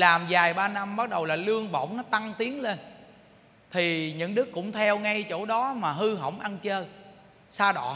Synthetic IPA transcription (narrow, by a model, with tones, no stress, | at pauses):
laː˨˩mzaː˨˩jɓaː˧na˧mɓa˦˥t̚ɗə˨˩wlaː˨˩lɨ˧əŋvə̰˧˨wŋ͡mnɔ˨˦t̪a˧ŋt̪i˨˦əŋle˧n | t̪ʰi˨˩ɲɨ̰˧˥ŋɗɨ˦˥kːʊ̰˧˥ŋ͡mt̪ʰɛ˧wŋa˧jt͡ɕo̰˧˩ɗɔ˨˦maː˨˩ɦɨ˧ɦə̰˧˩wŋ͡mʔa˧nt͡ɕəː˧ | saː˧ɗɔ̰˧˨